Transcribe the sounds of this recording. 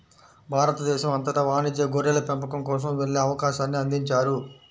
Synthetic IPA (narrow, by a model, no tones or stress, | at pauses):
bʱaːɾɐt̪ɐd̪ɛːʃɐmɐnt̪ɐʈɐʋaːnid͡ʒjɐɡoɾɛlɐpempɐkɐmkɔːs̬ɐmʋeɭːeɐʋɐkaːʃaːnːiɐnd̪iɲt͡ʃaːɾu